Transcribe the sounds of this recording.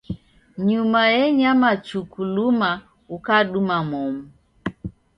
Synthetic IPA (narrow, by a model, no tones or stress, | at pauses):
ɲumajɛɲamat͡ʃukuluma | ukaɗumamɔmu